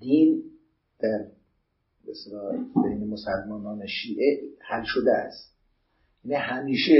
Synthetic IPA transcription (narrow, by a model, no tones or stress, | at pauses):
d̪̥iːn | d̪̥æɾ | best̪elɒːbejnemosælmɒːnɒːneʃiːʔehælʃod̪eæ̰st̪ | jænihæmiːʃe